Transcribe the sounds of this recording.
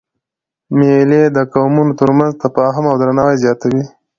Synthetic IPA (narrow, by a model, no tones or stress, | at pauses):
meled̪əkawmunot̪əɾmanzt̪apɑɦamawd̪ɾanawajzjɑt̪awi